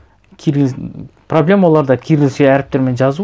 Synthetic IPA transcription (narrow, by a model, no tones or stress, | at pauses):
kʲʰ | pʰro̞blʲe̞malˠɑɾd̪ɑkʲʰiɾɡʲɪlseæɾɪp̚t̪eɾme̞nʒɑzu